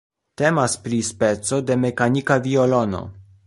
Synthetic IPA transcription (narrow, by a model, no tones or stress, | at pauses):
te̞maspɾispe̞t͡so̞de̞me̞kanikaviolo̞no̰